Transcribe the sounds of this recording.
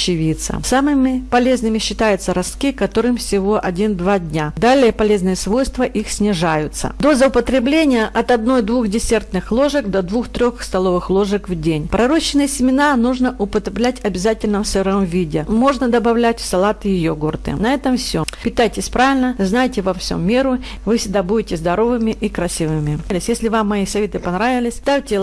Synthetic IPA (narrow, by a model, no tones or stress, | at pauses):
t͡ɕɪvʲit̪sə̰samɨmʲɪpɐlʲe̞znɨmʲɪɕːɪt̪ajʊt̪səɾɐst̪kʲikɐt̪o̞ɾɨmfsʲɪvo̞ʔɐdʲind̪vadʲnʲad̪alʲɪjəpɐlʲe̞znɨjəsvo̞jst̪vəʔixsʲnʲɪʐajʊt̪sə̰d̪o̞zəʊpət̪ɾʲɪblʲenʲɪjəʔɐt̪ɐd̪̚no̞jd̪vuxdʲɪsʲert̪nɨxlˠo̞ʐɨkd̪ɐd̪vuxt̪ɾʲo̞xst̪ɐlˠo̞vɨxlˠo̞ʐɨkvdʲenʲpɾɐɾo̞ɕːɪnɨjəsʲɪmʲɪnanuʐnəʔʊpət̪ɾʲɪblʲætʲɐbʲɪzatʲɪlʲnəmsɛɾəmvʲidʲɪmo̞ʐnəd̪əbɐvlʲætʲsɐlˠat̪ɨjɪjoɡort̪ɨ̰nɐɛt̪əmfsʲopʲɪt̪ajtʲɪsʲpɾavʲɪlʲnəznajtʲɪvɐfsʲo̰mːʲeɾʊ | vɨfsʲɪɡ̚d̪abudʲɪtʲɪzd̪ɐɾo̞vɨmʲɪʔikɾɐsʲivɨmʲɪlʲɪsʲjesʲlʲɪvamːɐisɐvʲet̪ɨpɐnɾavʲɪlʲɪsʲt̪afʲtʲɪ